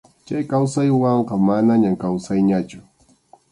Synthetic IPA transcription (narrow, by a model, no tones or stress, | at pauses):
t͡ʃajkawsajwɑɴqɑmanaɲamkawsajɲat͡ʃʊ̥